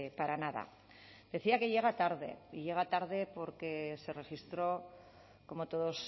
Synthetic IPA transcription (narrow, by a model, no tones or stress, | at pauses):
paɾanaða̰ | d̪̥e̞θiake̞ʝe̞ɣ̞at̪aɾðe̞̰iʝe̞ɣ̞at̪aɾðe̞po̞ɾke̞se̞re̞xist̪ɾo̞ | ko̞mo̞t̪o̞ðo̞s